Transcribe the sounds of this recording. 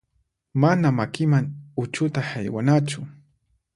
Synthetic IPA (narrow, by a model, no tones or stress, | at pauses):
manamakɪmaŋʊt͡ʃʊt̪ahajwa̰nat͡ʃʊ